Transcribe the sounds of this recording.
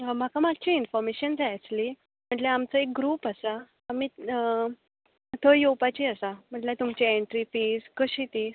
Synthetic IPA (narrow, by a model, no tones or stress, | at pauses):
m̤akamaɡt͡ɕiinfɔɾmeɕənd͡zajt͡sli | m̤əʈleamt͡səek̚ɡɾuːpasaː | mi | t̪ʰəjowpat͡ɕiasam̤əʈlet̪umt͡ɕeeɳʈɾifiːd͡zkəɕit̪i